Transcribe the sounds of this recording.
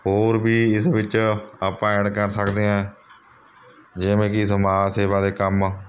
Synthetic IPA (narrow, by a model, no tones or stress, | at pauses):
ɦoːɾbʱiːɪsʋɪt͡ʃaːpãːɛɳkəɾsəkd̪eːãː | d͡ʒeːmẽːkɪsmaːseːbãːd̪eːkəm